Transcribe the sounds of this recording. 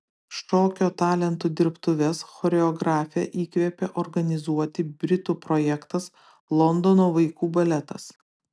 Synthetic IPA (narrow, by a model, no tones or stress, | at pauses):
ʃoːkʲoːt̪ɑːlʲɛnt̪ud̪ʲɪɾpt̪ʊʋʲɛsxɔɾʲɛɔɡɾɑːfʲɪɛʔiːkʋʲeːpʲeʔɔɾɡɐnʲɪzuɔt̪ʲɪbʲɾʲɪt̪uːpɾɔːjɛkt̪ɐs | lˠɔnd̪ɔnoːʋɐɪkuːbɐlʲɛt̪ɐ̰s